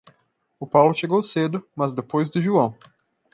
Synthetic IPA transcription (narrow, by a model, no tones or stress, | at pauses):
ʊpawlʊʃeɡowsed̪ʊmɐzd̪epojzd̪ʊʒuɐ̃w̃